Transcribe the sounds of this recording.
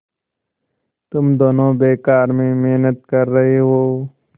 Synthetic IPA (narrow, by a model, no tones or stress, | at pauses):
t̪ʊmd̪oːnõːbeːkaːɾmẽmeːnət̪̚kɐɾːɐɦeɦoː